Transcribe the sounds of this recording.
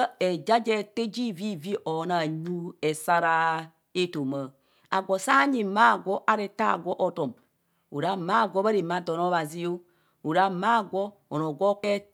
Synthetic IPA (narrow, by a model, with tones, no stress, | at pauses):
ɛ˨d͡ʒa˦d͡ʒɛ˦te˦d͡ʒi˦˨vi˦˨vi˦ʔɔ˨na˨ɲu˦ɛ˨sa˦ɾa˦ | e˦to˨ma˨ | a̰˨ɡʷo˨sa˦ɲi˨ma˦˨ɡʷɔ˦ʔa˨ɾe˨ta̰˦˨ɡɔ˦ʔo˨to˨m | ṵ˨ɾa˦ma˦˨ɡʷɔ˦ba˦ɾe˨ma˦do˨no˦βa˨zi˦o˦ | u˨ɾa˦ma˦˨ɡʷɔ˦ | o˨no˨ɡʷɔ˦kɛ˦